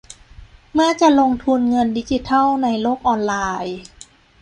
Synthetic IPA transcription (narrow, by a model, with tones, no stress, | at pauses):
mɯː˥˩t͡ɕa˨˩ʔlo˧ŋt̪ʰu˧nŋɤ˧ndiː˧˥t͡ɕi˧˦t̪ʰa˥˩wna˧jloː˥˩k̚ʔɔː˧nlaː˧j